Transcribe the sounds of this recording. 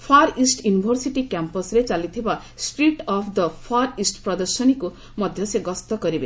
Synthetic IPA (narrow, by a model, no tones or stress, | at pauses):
pʰaɾisʈjunibʱɔɾsiʈikjampɔsɾet͡ʃalit̪ʰiba | sʈɾiʈɔpʰd̪ʌpʰaɾisʈpɾɔd̪ʌɾsɔniku | mʌd̪ʱjʌseɡɔst̪ɔkʌɾibe